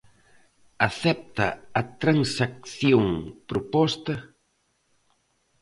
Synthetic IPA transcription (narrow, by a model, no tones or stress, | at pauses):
ɐθɛp̚t̪ɐ̰ɐt̪ɾansak̚θjoŋpɾʊpɔst̪ɐ